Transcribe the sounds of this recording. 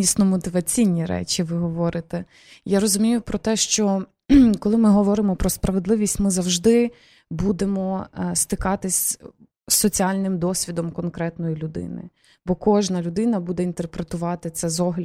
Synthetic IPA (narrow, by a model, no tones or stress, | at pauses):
isnɔmɔt̪ɪʋɐt͡sʲijnʲiɾɛ̰t͡ʃʲiʋɪɦɔʋɔɾɪt̪ɛ | jaɾɔzʊmʲijʊpɾɔt̪ɛʃt͡ʃɔ | kɔlˠɪmɪɦɔʋɔɾɪmɔpɾɔspɾɐʋed̪lˠɪʋʲisʲtʲmɪzɐwʒd̪ɪ | bud̪emɔst̪ɪkɑt̪ɪsʲ | sːɔt͡sʲiɑlʲnɪmd̪ɔsʲʋʲid̪ɔmkɔnkɾɛt̪nɔjilʲʊd̪ɪ̰nɪ̰ | bɔkɔʒnɐlʲʊd̪ɪnɐbud̪ɛint̪erpɾet̪ʊʋɑt̪ɪt̪sɛzɔɦlʲ